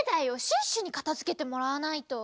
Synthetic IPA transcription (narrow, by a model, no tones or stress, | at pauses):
d̪aio̞ɕĩɰ̃ɕɨɲ̟ikḁt̪azɨke̞t̪e̞mo̞ɾaβanait̪o̞